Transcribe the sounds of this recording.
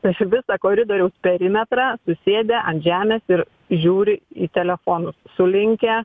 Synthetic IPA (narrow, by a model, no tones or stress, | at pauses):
t̪ɐʋʲɪsɐkoːɾʲɪd̪oːɾʲɛʊspʲɛɾʲɪmʲɛt̪ɾɑsʊsʲeːd̪ʲeːʔɐ̃nt̪ʒʲæːmʲɛːsɪɾ | ʒʲuːɾʲɪiːt̪ʲɛlʲɛfoːnʊssʊlʲɪŋʲkʲɛ